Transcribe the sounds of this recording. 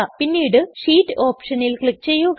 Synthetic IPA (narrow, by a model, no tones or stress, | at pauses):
apinːiːjɽɨʂiːtːɨo̞ːpʂɐnilkɭik̚ːt͡ɕe̞jːu